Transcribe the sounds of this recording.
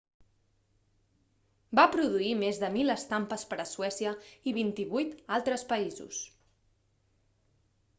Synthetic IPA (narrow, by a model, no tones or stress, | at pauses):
bapɾuðuimezðəmiləst̪ampəspəɾəsuɛsiəiβint̪iβujt̪alˠt̪ɾəspəizṵs